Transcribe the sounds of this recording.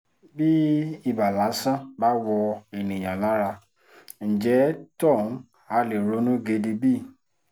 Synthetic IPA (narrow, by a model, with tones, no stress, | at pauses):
bi˦i˦˨ba˨la˨˦sã˦˨ba˦wɔ˧e˨nĩ˨j̃ã˨la˨˦ɾa˧ | n̩˨d͡ʒɛ˨˦tɔ̃˦˨n̩˦ | a˨˦le˨ɾo˨˦nũ˦ɡe˧di˧bi˦˨